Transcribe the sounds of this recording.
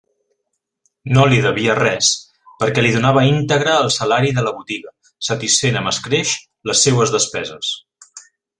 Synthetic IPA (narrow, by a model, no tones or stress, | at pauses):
noliðəβiərɛs | pəɾkɛliðunaβəint̪əɣɾəːlˠsəlaɾiðələβut̪iɣə | sət̪isfenəməskɾeʃ | ləsːewəzðəspɛzəs